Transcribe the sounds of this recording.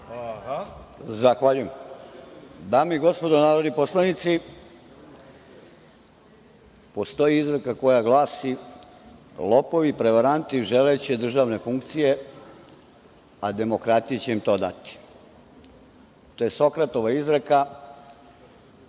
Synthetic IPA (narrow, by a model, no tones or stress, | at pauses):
zaxʋaʎujem | d̪aːmiɡo̞spo̞d̪onaːɾo̞d̪nipo̞slanit̪si | po̞st̪o̞jiizɾekako̞jaɡlˠaːsi | lˠo̞po̞ʋipɾe̞ʋaɾant̪iʒelejt͡ɕed̪r̩ʒaːʋne̞fuŋkt̪sije̞ | ad̪e̞mo̞kɾat̪ijet͡ɕe̞imt̪o̞ːd̪a̰t̪i̥ | t̪o̞jeso̞kɾat̪oʋaizɾeka